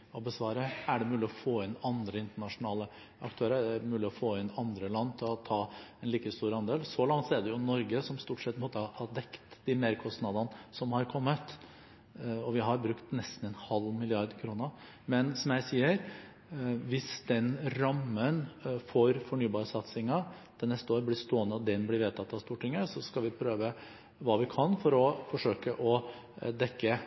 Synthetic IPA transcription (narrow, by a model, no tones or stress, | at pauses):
ɔbəsʋɑːɾəæɖɛmʉːlɪɔfoːɪnɑnd̪ɾəɪnt̪əɳɑʂʊnɑːlə | ɑ̰kt̪ʰøːɾəmʉːlɪɔfoːɪnɑnd̪ɾəlɑnːt̪ʰɪlɔt̪ʰɑːɛnliːkəst̪uːɾɑnd̪eːlsɔlɑŋt̪sæd̪ɛjʊnɔɾɡəsɔmst̪uːʈʂɛt̪ːpʰmoːt̪əhɑd̪ɛkt̪d̪ɪmeːɾkʰɔst̪nɑd̪ɑnəsɔmhɑɾkʰɔmːət̪ | ɔʋɪɦɑɾbɾʉkt̪nɛst̪n̩ɛnhɑlmɪlɪɑɾd̪kʰɾuːnə | mɛnsɔmjæɪsiːəɾ | ʋɪsd̪ɛnɾɑmːənfɔɾfɔɳyːbɑːɾəsɑt̪sɪŋə | d̪̥ʰɛnɛst̪əoːɾəblɪst̪oːənəɔd̪ɛnblɪɾʋeːt̪ʰɑt̪ːɑʋst̪uːʈʰɪŋːəsɔskɑlʋɪpʰɾøːʋə | ʋɑːʋɪkʰɑnfɔɾɔfɔʂøːkəʔɔ | d̪ɛkːə